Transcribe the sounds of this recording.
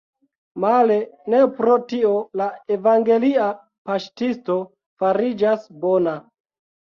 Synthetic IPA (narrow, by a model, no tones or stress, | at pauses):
male̞ne̞pɾo̞tio̞laevaŋɡe̞lia | paʃtisto̞ | faɾid͡ʒasbona